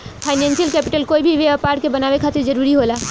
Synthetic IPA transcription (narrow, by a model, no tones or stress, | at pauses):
pʰaɪnɛ̃nsijəlkɛpiʈəlkoːibʱiʋeəpaːɾʈkebənaʋekʰat̪eɾd͡ʒəɾuɾiɦola